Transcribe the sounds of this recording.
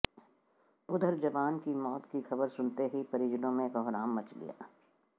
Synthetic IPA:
ʊd̪ʱəɾd͡ʒɐʋaːnkimɔːt̪kixɐbəɾsʊnt̪eɦipɐɾiːd͡ʒnõmẽkɔːɦɾaːmːɐt͡ʃɡɐ̰ja̰ː

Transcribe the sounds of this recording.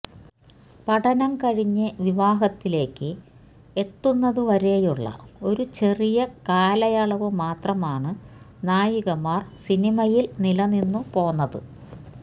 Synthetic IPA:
pɐʈɐnɐmkɐɻiɲːɨʋiʋaːɦɐt̪ːile̞ːkːɨ | e̞t̪ːunːɐðɨʋɐɾejuɭːɐ̰o̞ɾut͡ɕe̞rijɐkaːlɐjaɭɐʋɨmaːt̪rɐmaːɳɨnaːjiɣɐmaːrsinimɐjilnilɐninːupo̞ːnːɐðɨ̰

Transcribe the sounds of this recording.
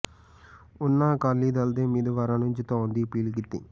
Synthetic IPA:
unːakɐlːiːd̪ɐld̪eːmid̪uʋɐɾɐnuɲt͡ʃit̪oːond̪ipiːlik̬it̪ːi

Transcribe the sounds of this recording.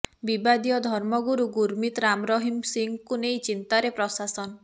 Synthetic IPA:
bibad̪ijɔd̪ʱɔɾmɔɡuɾuɡuɾmit̪ɾamɾɔɦimsiŋkunejt͡ʃint̪aɾepɾɔsasɔn

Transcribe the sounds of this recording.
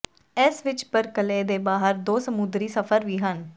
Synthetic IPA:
ɛːsʋɪt͡ʃpəɾkəleːd̪eːbaːɦəɾd̪oːsəmʊd̪ɾiːsəfʰəɾʋiːɦən

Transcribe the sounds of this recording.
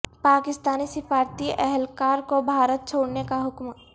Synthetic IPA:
paːkɪst̪aːnisɪfaːɾt̪iʔɛɦɛlkaːɾkobʱaːɾət̪̚t͡ʃʰoːɽnekaɦʊkm

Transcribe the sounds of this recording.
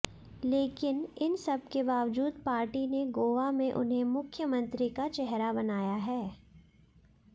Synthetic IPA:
leːkɪnɪnsɐb̚kebaːʋd͡ʒuːd̪paːɾʈineɡoːʋamẽʔʊ̰nɦẽmʊkʰjəmə̃nt̪ɾikat͡ʃɛɦɾabɐnaːjaɦɛː

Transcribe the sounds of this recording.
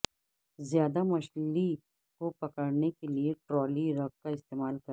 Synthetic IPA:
zjaːd̪amɐʃli | kopɐkəɽnekelieʈɾɔːliɾɐɡ̚kaɪst̪eːmaːlkɐ

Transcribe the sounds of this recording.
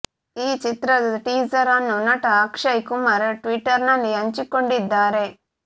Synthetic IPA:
iːt͡ʃit̪ɾɐd̪ʈiːd͡ʒɐɾɐnːunɐʈɐːkʂɐjkumɐɾeʈʋiʈːɐɾnɐnːiɐɲt͡ʃikoɳɖid̪ːaːɾe

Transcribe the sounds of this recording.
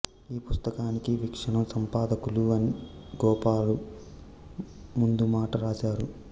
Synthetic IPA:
iːpust̪ɐkaːnikiʋikʂɐɳɐmsɐmpaːd̪ɐkuluɐni | ɡɔːpaːlu | mund̪umaːʈɐɾaːʃaːɾu

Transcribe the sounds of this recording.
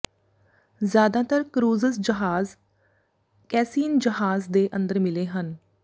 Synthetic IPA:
zjaːd̪ãːt̪əɾkɾuːzəsd͡ʒəɦaːz | kɛːsiːnd͡ʒəɦaːzd̪eːʔə̃nd̪əɾmɪleːɦən

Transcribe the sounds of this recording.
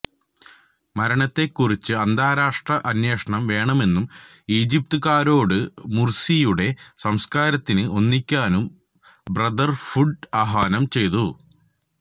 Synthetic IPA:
mɐɾɐɳɐt̪ːe̞kːurit͡ɕːɨɐnd̪ʱaːɾaːʂʈrɐʔɐnjeːʂɐɳɐmʋe̞ːɳɐme̞nːum | iːd͡ʑip̚t̪uɣaːɾo̞ːɽɨmursijuɽe̞sɐmskaːɾɐt̪ːinɨʔo̞nːikʲːaːnum | brɐd̪ɐrfuɖaɦaːnɐmt͡ɕe̞jt̪u

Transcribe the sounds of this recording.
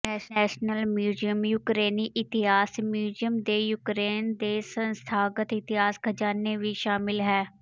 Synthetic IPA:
ɛːʃnɛːʃnəlmjuːzijəmjʊkɾeːniʔɪt̪ɪɦaːsmjuːzijəmd̪ejʊkɾeːnd̪eːsə̃nst̪ʰaːɡət̪ɪt̪ɪɦaːsɡʱəd͡ʒaːneʋiʃaːmɪlɦɛː

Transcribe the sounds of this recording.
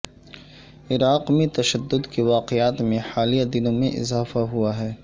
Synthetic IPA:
ɪɾaːqmẽt̪ɐʃəd̪ːʊd̪keʋaːqɪaːt̪mẽħaːlijad̪ɪnõmḛ̃ʔɪ̰zaːfaɦuaɦɛː

